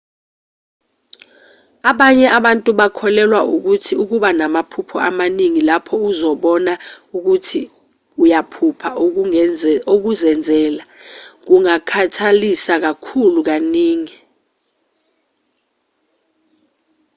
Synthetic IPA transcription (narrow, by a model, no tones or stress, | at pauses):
aɓaɲɛʔaɓantʼuɓakʰɔlɛlwauk̬utʰiuk̬uɓanamapʰupʰɔamaniŋilapʰɔuzɔɓɔnauk̬utʰi | ujapʰupʰa | ok̬uzɛnd͡zʱɛːlak̬uŋakʰatʰalisak̬akʰuluk̬aniːŋi